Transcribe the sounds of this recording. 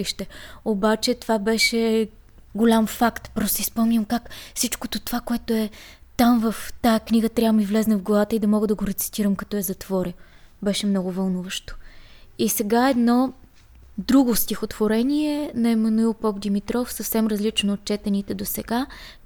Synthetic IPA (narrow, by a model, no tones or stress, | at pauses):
iʃt̪ɛobat͡ʃɛt̪ovabɛʃɛ | ɡolʲamfakt̪pɾɔst̪ispɔmnʲəmkakfsit͡ʃkot̪ot̪ovakoɛt̪oɛt̪amvɐft̪aɛkniɡət̪ɾʲavəmivlɛznɐvɡlˠɐvat̪əid̪ɐmɔɡəd̪ɐɡoɾɛt̪si̥t̪iɾəmkɐt̪ɔɛzɐt̪v̥ɔɾʲəbɛʃɛmnɔɡʊvɐlˠnuvəʃt̪o̥isɛɡaɛd̪nɔ | d̪ɾuɡost̪ʲixot̪v̥oɾɛniɛnɐɛmɐnuilˠpɔbd̪imit̪ɾɔfsɐfsɛmɾɐzlit͡ʃnoːt̪̚t͡ʃɛt̪ɛnit̪ɛd̪osɛɡa